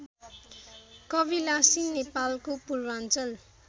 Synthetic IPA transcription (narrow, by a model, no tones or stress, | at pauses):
kʌbilasinnːepalkopurwant͡sʌl